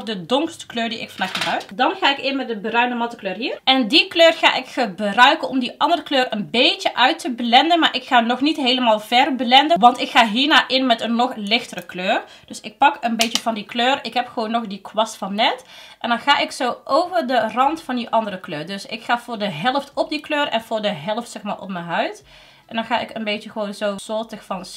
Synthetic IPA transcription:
dədɔŋkstə̥kløːrdiʔɪ̰kfɔndaːxəbrœɥkdɑnxaːɪkɪmɛdəbərœɥnəmɑtəkløːrɦiːrʔɛndikløːrxa̰ːʔɪkxəbrœɥkənɔmdiʔɑndərəkløːrənbeːtjəʔœɥtəblɛndənmaːɹʔɪkxaːnɔxnitɦeːləmaːlˠvɛrblɛndəʋɑntɪkxaːɦiːrnaːʔɪnmɛtənːɔxlɪxtərəkløːr | d̥øsɪk̚pɑkənbejtəv̥ɑndikløːrɪkɦɛpχəʋoːnːɔxdikʋɑstfɑnːɛtʔɛndɑnxaːʔɪksowʔowvərdərɑntfɑndiʔɑndəɾəkløːrdɵsɪ̰kxaːv̥ʊːɹdəɦɛlˠftɔp̚dikløːrɛ̰nvʊːɹdəɦɛlˠftsɛxmaːɹʔɔ̰p̚mənɦœɥt | ʔɛndɑnxaːɪkənbejtəxəʋoːnzowz̥ɔːtəxfɑn

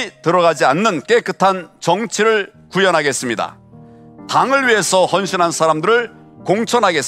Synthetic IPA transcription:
tɯɾʌɣad͡ʑianːɯnk͈e̞k͈ɯtʰant͡ɕʌŋt͡ɕʰiɾɯɭ | kujʌnɦaɡe̞s͈ɯmɲida̰ | taŋɯɭɥiɦe̞sʰʌhʌnɕʰinansʰaɾamdɯɾɯɭ | koŋt͡ɕʰʌnɦaɡe̞s

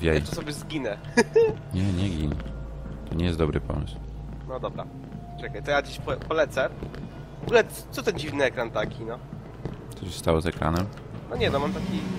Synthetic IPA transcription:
vʲjɛj̪ɔsɔbʲjɛzɡʲinɛ | ɲɛɲɛɡʲiɲɛt̪ɔɲɛjɛsd̪d̪ɔbɾɘpɔ̰mɘsw | nɔd̪ɔbɾa̰ | t͡ʂɛkajt̪ɔjad͡ʑiɕpɔpɔlɛt̪sɛ | vɔɡulɛ | t̪sɔt̪ɛnd͡ʑivnɘɛkɾant̪akʲinɔ | t̪ɔɕɛst̪awɔzɛkɾa̰nɛm | nɔɲɛnɔmamt̪akʲi

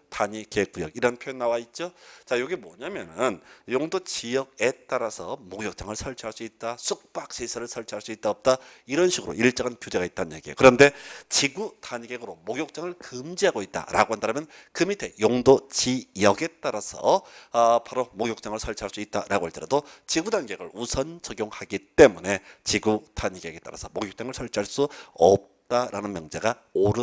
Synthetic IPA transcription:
taɲikeɡujʌɡiɾʌnpʰjojenːawait̚t͡ɕ͈ot͡ɕajoɡemwʌ̰ɲamjʌnɯnjoŋdot͡ɕijʌɡ̚e̞t͈aɾasʰʌmoɡjok̚t͡ɕ͈aŋɯɭsʰʌɭt͡ɕʰiɦaɭs͈uit̚t͈asʰuk̚p͈ak̚ɕ͈ʰesʰaɾɯɭsʰʌɭt͡ɕʰiaɭs͈uit͈̚aʌp̚t͈aiɾʌnɕʰiɡɯɾo̰ʔiɭt͡ɕ͈aɡankjodeɡait̚t͈anjeɡiḛkɯɾʌnde̞t͡ɕiɡutaɲɡeɡɯɾomoɡjok̚t͡ɕ͈aŋɯɭkɯmd͡ʑiɦaɡoit̚t͈a̰ɾa̰ɡohandaɾɯmjʌnkɯmitʰe̞joŋdot͡ɕijʌɡe̞t͈aɾasʰʌ̰ | paɾomoɡjok̚t͡ɕ͈aŋɯɭsʰʌɭt͡ɕʰaɭs͈uit̚t͈aɾaɡoaɭt͡ɕ͈iɾadot͡ɕiɡudanɡe̞ɡɯɭusʰʌnt͡ɕʌɡjoŋhaɡit͈e̞mune̞t͡ɕiɡudaɲɡe̞ɡe̞t͈a̰ɾa̰sʰʌmoɡjok̚t͡ɕ͈aŋɯɭsʰʌɭt͡ɕʰiaɭs͈uʌp̚t͈aɾanɯnmjʌŋd͡ʑeɡa | oɾɯ

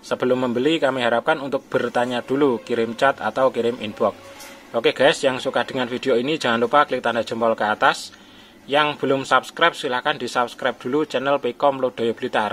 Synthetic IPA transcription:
səb̥əlʊmːəmbəlikamiɦaɾap̚kanunt̪ʊk̚b̥ə̤rt̪aɲad̪̥ulukiɾɪmt͡ʃat̪a̰t̪awkiɾɪminbɔk̚ʔokeɡ̥ɛsjaŋsukad̪̥ɪ̤ŋanfid̥̪e̤oini̥d͡ʒ̥a̤ŋanupaklɪk̚t̪andadd͡ʒ̥ə̤mpɔlkəat̪as | jaŋb̥ə̤lʊmsap̚skɾap̚silahkand̪̥isap̚skɾap̚d̪̥ṳlut͡ʃɛnəlpikɔmlod̪̥o̤job̥əlit̪ar

